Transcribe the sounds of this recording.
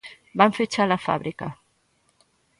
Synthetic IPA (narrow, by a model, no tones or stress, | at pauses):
baɱfet͡ʃalafa̰βɾika